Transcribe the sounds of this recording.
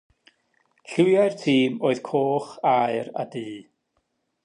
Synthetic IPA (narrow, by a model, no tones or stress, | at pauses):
ɬʊjaɨrtʰiːmoːɨð̥kʰoːχaɨɾa̰diː